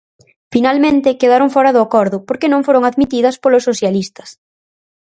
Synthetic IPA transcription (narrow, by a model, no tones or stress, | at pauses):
finalmẽnt̪ɪkeðaɾoŋfɔɾɐðʊakɔɾðʊpoɾkenõŋfoɾoŋaðmit̪iðɐspolosːoθjalist̪ɐ̥s